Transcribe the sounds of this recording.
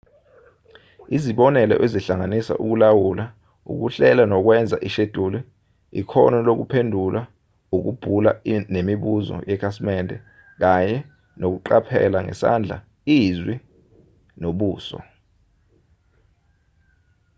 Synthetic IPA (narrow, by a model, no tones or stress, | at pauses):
iziɓɔnɛlɛ̰ʔeziɬaŋanisa̰ʔuk̬ulawula | ṵk̬uɬɛlanɔk̬wɛnd͡zʱaʔiʃed̥ʱuli | ḭkʰɔ̰nɔlok̬upʰendʱula | uk̬ub̥ʱulanemiɓuzɔ̰jɛkʰasmɛndʱʼɛ | k̬aɲɛ | nok̬uǃapʰɛ̰laŋɛ̰sa̰nd͡ɮʱa̰ | izwi | noɓuːsɔ̰